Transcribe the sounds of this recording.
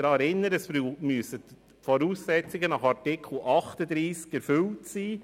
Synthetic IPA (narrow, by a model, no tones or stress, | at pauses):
ɾɑɾɪnːəɾəsmyəsət | fɔɾuːsːɛt͡siɡənɑχɑɾtɪkʰl̩ˠʔɑχt̪əd̪ɾiːskɛɾfʏltsiː